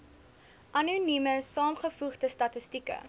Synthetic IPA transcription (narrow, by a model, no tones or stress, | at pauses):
ʔɐnunyməsɑːmχəfuχdəstɐtəstikə̰